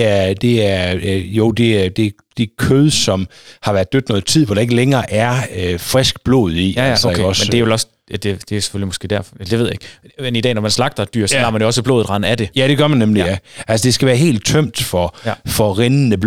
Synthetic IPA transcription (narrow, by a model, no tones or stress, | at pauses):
æɐd̥e̝æɐjoʊ̰d̥e̝æd̥e̝ | d̥ikʰøðˠsɒ̽mhɑ̈ʋæɐd̥ød̥nɔ̽ːð̩ˠt͡sʰið̰ˠʋɒɾ̥ɑ̈e̝ɡ̥əleŋɐːʔæɐøfʁɛsɡ̥b̥lo̝̰ːð̞̩ˠiæsɒsmendeæʋelɒ̽s | æd̥e̝d̥e̝se̥følimɔ̽sɡ̥e̝̰ːd̥æɐfelde̝ʋḛjaeɡ̥enid̥ɛ̰ːnɒmænslɑ̈ɡ̥̚d̥ɐed̥y̰ɐ̰sɒɑ̈ːmænjoɒ̽s̬əb̥lo̝ːð̩ˠʁɑ̈næd̥e̝jæɾ̥e̝ɡ̥ɶɐmænːemliæʔælsəd̥e̝sɡ̥æʋæːɐɦe̝̰ːld̥̚t͡sʰœm̰d̥fɒfɒʁennəb